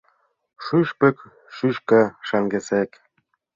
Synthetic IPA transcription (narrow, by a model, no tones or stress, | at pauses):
ʃyʃpɘ̆k | ʃyʃkɤʃɑŋɡesek